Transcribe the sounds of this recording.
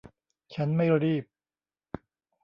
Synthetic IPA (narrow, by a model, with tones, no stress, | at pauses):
t͡ɕʰa˦˥nma˥˩jɾiː˥˩p̚